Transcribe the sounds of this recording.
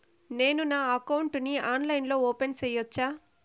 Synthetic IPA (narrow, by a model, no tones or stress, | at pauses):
ne̞ːnunaːɐkɐwuɳʈniaːnlɐjnlo̞ːoːpensɛjɔt͡ʃːaː